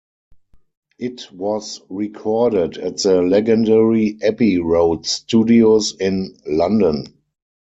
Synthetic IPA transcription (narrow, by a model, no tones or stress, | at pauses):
ʔɪtwɔsɹikʰɔɾədætðəlɛɡə̃ndɛɹiʔɛpiɹoʊdstuːdiosɪ̃nlãndə̃n